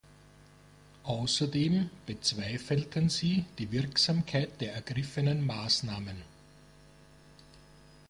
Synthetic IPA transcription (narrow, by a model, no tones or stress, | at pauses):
ʔaʊsɐdeːmb̥ət͡sv̥aɪfəltʰənz̥iːd̥iːvɪɐksaːmkʰaɪt̚d̥eːɐɛɐɡ̥ʁɪfənənmaːsnaːmən